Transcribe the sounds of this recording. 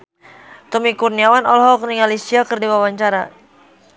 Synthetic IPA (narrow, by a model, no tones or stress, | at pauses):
t̪ɔmikurniawanɔlɦɔkniŋalisiakərdiwawaɲt͡ʃaɾa